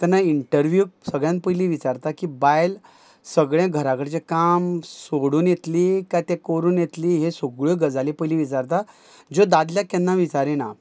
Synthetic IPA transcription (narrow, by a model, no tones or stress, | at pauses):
t̪anːaiɳʈəɾʋjuːsəɡɭjãnt̪̚pəjliʋit͡saɾt̪akiːbajl | səɡɭjãɡʱəɾakəɽt͡ɕekamsoɽuːnjet̪likat̪ẽkoɾuːnjet̪liːɦesoɡɭoɡəd͡zalipəjliʋit͡saɾt̪a | d͡zod̪ad̪ljakɛnːaʋit͡saɾena